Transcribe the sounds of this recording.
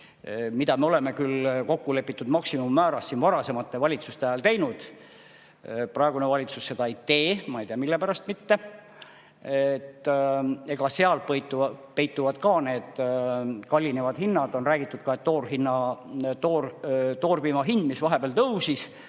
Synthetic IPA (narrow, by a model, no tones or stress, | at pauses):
mid̪ɑmeo̞le̞me̞kylko̞kːule̞pːˑit̪ːˑud̪mɑksimumːæːɾɑsːinvɑɾɑse̞mɑt̪ˑːe̞vɑlʲit̪sust̪eæjɑlt̪e̞jnud̪̥ | prɑe̞ɡune̞vɑlʲit̪susːe̞d̪ɑejt̪eːmɑejt̪iɑmilːe̞pæɾɑst̪mit̪ːe̞ | et̪ːe̞ɡ̥ɑse̞ɑlpɤjt̪ːˑupe̞jt̪ːˑuvɑd̪̥kɑne̞ːd̪̥ | kɑlʲːinevɑd̪̥hinːɑd̪o̞nræːɡ̥it̪ːˑud̪̥̚kɑe̞t̪ːo̞ːrɦinːɑt̪oːrt̪o̞ːrbimɑɦind̪̥misvɑɦe̞b̥eæɑlt̪ɤwsis